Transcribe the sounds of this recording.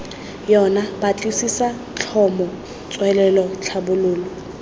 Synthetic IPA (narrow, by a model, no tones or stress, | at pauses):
jɔnabat͡ɬʼisisa | t͡ɬʰɔmɔ | t͡sʼwɛlɛlɔt͡ɬʰabʊlʊːlɔ